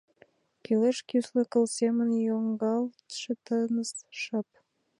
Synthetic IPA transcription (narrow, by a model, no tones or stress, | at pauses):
kyleʃkʲysləkə̆lsemənjoŋɡɑlt̪ʃət̪ənəsʃəp̚